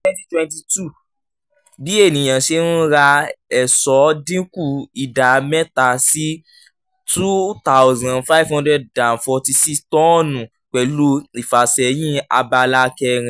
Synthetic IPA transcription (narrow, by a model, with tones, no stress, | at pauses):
twɛ̃˦ti˦twɛ̃˧nti˧tu˦˨ | bi˨˦e˦˨nĩ˨j̃ã˨ʃe˧˦nũ˦ɾa˧ɛ˨sɔ˨˦dĩ˦ku˦˨i˨da˨mɛ˦ta˨si˦ | tu˦ta˦ʊ˦zã˨nfa˦i˦vhɔ̃˦ndɾɛ˦ddã˨nfɔ˧ti˧si˦stɔ̃˦nũ˨ | k͡pɛ˨lo˧˦i˨fa˨sɛ˨j̃ĩ˦a̰˧ba˧la˧kɛ˧ɾ̃ĩ˧˨